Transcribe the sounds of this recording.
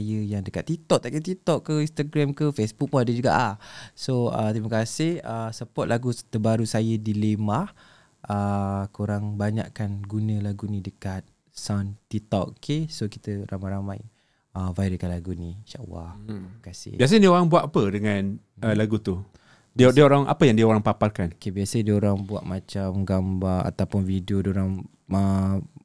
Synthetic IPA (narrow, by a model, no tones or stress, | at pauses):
ajəjaŋdəkat̪ːit̪ɔʔt̪aʔkət̪it̪ɔʔkːəĩnst̪aɡɾamkəfesbuk̚maadəd͡ʒuɡa̰ʔahsoə̰t̪ɾiməkasɪhəsəpɔt̪̚lʔaɡut̪əbaɾusajədilemah | əkʰoɾaŋbaɲa̰ʔkanɡunə̃laɡunĩdəkat̪̚ | sant̪it̪ɔ̰ʔkʰesoki̥t̪əɾamajɾamaj | əvaidəkanlaɡuniʃaʔw̰a̰himakasɪ̰bias̬ədiəoɾaŋbuaʔapədəŋan | əlaɡut̪u | didiəoɾaŋʔa̰pəjaŋdiəoɾaŋpaparkankebiasədioɾaŋbua̰ʔmat͡ʃamɡambara̰t̪awpʊnvidiodioɾaŋ | ə